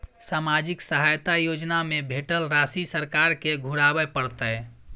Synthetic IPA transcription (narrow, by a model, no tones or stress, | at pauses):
samad͡ʒiksəɦajt̪ajod͡ʒnamebʱeʈəlɾasisəɾkaɾkeɡʱuɾabɛpəɽt̪ə